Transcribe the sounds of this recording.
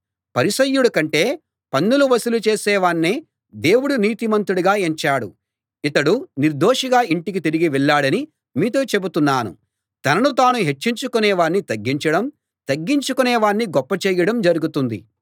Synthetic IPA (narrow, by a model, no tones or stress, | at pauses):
pɐɾisɐjːuɽɐkɐɳʈe̞ː | pɐnːuluʋɐsulut͡ʃe̞ːsɛːʋaːnːeː | d̪e̞ːwuɽuniːt̪imɐnt̪ɾuɽuɡaːeɲt͡ʃaːɽṵ | it̪ɐɽuniɾd̪o̞ːʂɐɡaːiɳʈik̬it̪iɾiɡiʋɛɭːaːɽɐni | miːt̪̬o̞ːt͡ʃe̞but̪unːaːnṵ | t̪ɐnɐnut̪aːnuɦe̞t͡ʃːiɲt͡ʃukunɛːʋaːnːit̪ɐɡːiɲt͡ʃɐɽɐm | t̪ɐɡːiɲt͡ʃukuneːʋaːnːiɡɔpːɐt͡ʃeːjɐɽɐmd͡ʒɐɾuɡut̪und̪ḭ